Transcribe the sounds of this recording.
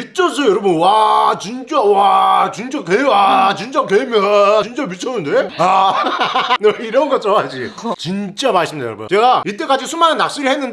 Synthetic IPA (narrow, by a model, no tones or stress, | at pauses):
mit͡ɕʰʌs̬ʰʌjʌɾʌbɯnwat͡ɕint͡ɕ͈awat͡ɕint͡ɕ͈akeat͡ɕint͡ɕ͈akemjʌt͡ɕint͡ɕ͈amit͡ɕʰʌnɯnde̞a | neiɾʌnɡʌt͡ɕ͈ʰʌad͡ʑit͡ɕint͡ɕ͈amaɭs͈ɯmidajʌɾʌbṵnt͡ɕe̞ɡait͈e̞k͈ad͡ʑisʰumanɯnːak̚s͈ɯɾihenːɯnd